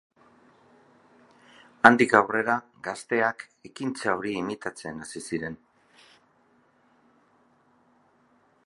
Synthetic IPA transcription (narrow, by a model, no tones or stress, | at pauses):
and̪ikawre̞ɾa | ɡast̪e̞ak | e̞kint͡saoɾiːmit̪at͡se̞nasisiɾe̞n